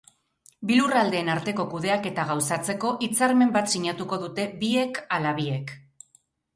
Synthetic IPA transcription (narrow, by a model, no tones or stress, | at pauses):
bilurald̪e̞ːnaɾt̪e̞ko̞kuð̞e̞ake̞t̪aɣ̞awsat͡se̞ko̞ʔit͡saɾme̞mbat̪siɲat̪uko̞ðut̪e̞bie̞kalaβie̞k